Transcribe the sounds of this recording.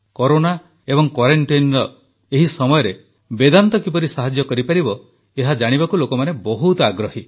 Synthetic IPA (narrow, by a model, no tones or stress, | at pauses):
kɔɾona | ebɔŋkwaɾeɳʈijnɾɔ | eɦisɔmɔjɔɾe | bed̪ant̪ɔkip̬ɔɾisaɦad͡ʒjɔkɔɾipaɾibɔ | eɦad͡ʒaɽ̃ibakulokɔmanebɔɦut̪ɔaɡɾɔhi